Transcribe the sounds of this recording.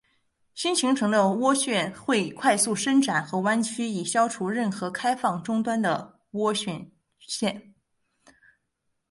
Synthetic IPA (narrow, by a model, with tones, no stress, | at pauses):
ɕi˥nt͡ɕʰi˧˥ŋʈ͡ʂʰɤ˧˥ŋd̪ə˧wɔ˥ɕɥɛ˥˧nxwe˥˧ɪkʰwa˥˧ɪsu˥˩ʂə˥ŋʈ͡ʂa˨˩˦nxɤ˧˥wa˥nt͡ɕʰy˥i˨˩ɕjɑ˥ʊʈ͡ʂʰu˧˥ɻə˥˩nxɤ˧˥kʰa˥ɪfɑ˥˩ŋʈ͡ʂʊ˥ŋt̪wa˥nd̪ə˨˩ | wɔ˥ɕɥɛ˥˧n | ɕjɛ˥˩n